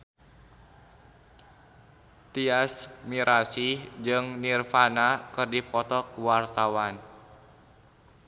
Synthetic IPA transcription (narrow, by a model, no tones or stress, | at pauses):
t̪iasmiɾʔasid͡ʒɨŋnirfanakɨrdipɔt̪ɔkwart̪awan